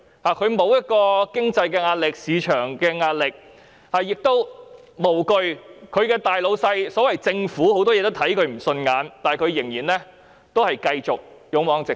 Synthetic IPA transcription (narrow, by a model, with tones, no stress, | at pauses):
haː˨kʰɵ˨˧ɥmo˨˧wjɐ˥t̚kɔː˧kɪ˥ŋt͡sɐ˧jkɛː˧ŋaː˧t̚lɪ˨k̚siː˨˧t͡ʃʰœː˨˩ŋkɛː˧ŋaː˧t̚lɪ˨k̚ | hɐ˨˩jɪ˨k̚t̪o˥w | mo˨˩wkɵ˧ɥkʰɵ˨˧ɥkɛː˧t̪aː˨˩jlo˨˧wsɐ˧jsɔː˨˥wɐ˨jt͡sɪ˧ŋfuː˨˥ho˨˥wt̪ɔː˥jɛː˧t̪wt̪ʰɐ˨˥jkʰɵ˨˧ɥm̩˨˩sɵ˧nŋaː˨˧nt̪aː˨kʰɥjɪ˨˩ŋjiː˨˩nlɛː˥ | t̪o˥whɐ˨jkɐ˧jt͡sʊ˨k̚jʊ˨˥ŋwɔː˨˥ŋt͡sɪ˨